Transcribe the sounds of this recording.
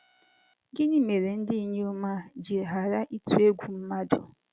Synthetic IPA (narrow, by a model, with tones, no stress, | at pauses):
ɡɪ˦ni˦me˨ɾe˨n̩˦dɪ˦i˦˨ɲe˦ʊ˦ma˦d͡ʒi˨ɦa˨ɾa˦ʔi˦tu˦e˦ɡʷu˨m̩˦ma˦dʊ̰˨